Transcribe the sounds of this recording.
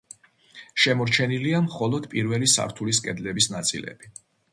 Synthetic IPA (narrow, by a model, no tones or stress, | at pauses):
ʃɛmɔɾt͡ʃʰɛniliamχɔlˠɔd̪̥pʼiɾvɛlisa̰ɾt̪ʰuliskʼɛd̪lɛbisnat̪sʼḭlɛ̰b̥i